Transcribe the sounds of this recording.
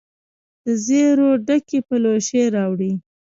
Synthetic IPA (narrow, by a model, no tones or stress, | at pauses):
d̪̥əzeɾoɖakepəloʃeɾɑwɽi